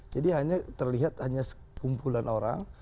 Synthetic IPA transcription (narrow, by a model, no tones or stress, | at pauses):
d͡ʒadiɦaɲat̪ərliɦat̪haɲasə̥kumpulanoɾa̰ŋ